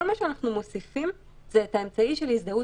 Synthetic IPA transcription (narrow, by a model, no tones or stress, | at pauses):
olmaʃeanaχnumo̞sifim | zeːtaemt͡saiʃelisd̪au